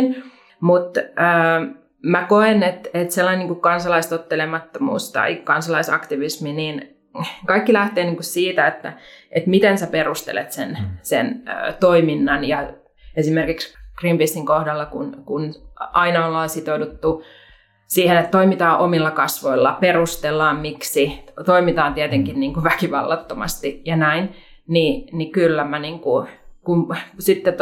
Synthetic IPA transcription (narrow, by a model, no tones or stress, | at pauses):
n | mut̪əː | mækoenet̪et̪selːɑniːŋkukkɑnsɑlɑist̪ot̪ːelemɑt̪ːomṵːst̪ɑ̰ikɑnsɑlɑisɑ̰kt̪iʋisminiːn | kɑikːilæht̪eːniːŋkussiːt̪æet̪ːæ̰ʔet̪mit̪ensæperust̪ḛlḛt̪sḛnsḛn̰ːt̪oiminːɑnjɑ | esimerkikskrimpisːiŋkohdɑlːɑkṵnkunɑinɑolːɑlsit̪oudut̪ːu | siːhenet̪t̪oimit̪ɑːʔomilːɑkɑsʋoilːɑperust̪elːɑːmmiksit̪oimit̪ɑːnt̪iɛt̪eŋkinniːŋkuʋækiʋɑ̰lːɑt̪ːomɑ̰st̪ijɑnæin | ninikylːæmæniːŋkukumsit̪ːet̪